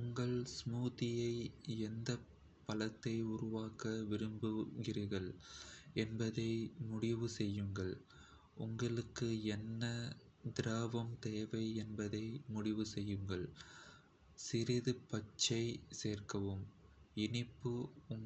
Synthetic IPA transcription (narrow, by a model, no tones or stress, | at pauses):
ʊŋɡɐɭsmuːðɪjɐɪɛnd̪ɐ | pɐlɐt̪ːɐɪʊɾʊʋaːkɐʋɪɾɯmbɯɣɪrɐɣɐɭ | ɛnbɐðɐɪmʊɽɪʋɯsɛjːɯŋɡɐɭ | ʊŋɡɐɭɯkːɯɛnːɐ | d̪ɪɾaːʋɐmt̪eːʋɐɪɛnbɐðɐɪmʊɽɪʋɯsɛjːɯŋɡɐɭ | sɪɾɪðɯpɐt͡ʃːɐɪseːrkɐʋɯm | ɪnɪpːɯʊŋ